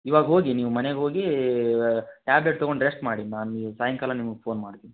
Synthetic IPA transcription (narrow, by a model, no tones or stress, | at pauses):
iʋaːɡɐɦoːɡiniːʋumɐneɡɦo̞ːɡi | ʈaːbleʈ̚t̪ɐɡoɳɖɾesʈmaːɽinaːnuisaːjɐŋkalɐnimɐɡpʰoːnmaːɖt̪iːni